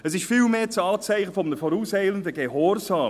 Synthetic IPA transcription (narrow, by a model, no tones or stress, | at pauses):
əs̬ɪʃfiːlmeːt͡sɑːlt͡sæɪχəfɔmənəfɔɾuːshɛɪləndəɡehɔɾzɑː